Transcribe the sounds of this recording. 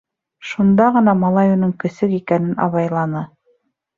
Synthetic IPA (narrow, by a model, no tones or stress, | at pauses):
ʃund̪ɑʁɤ̆nɑmɑlˠɑjonɤŋkɵ̆sɘkikænɘnɑ̰βɑjlˠɑnɤ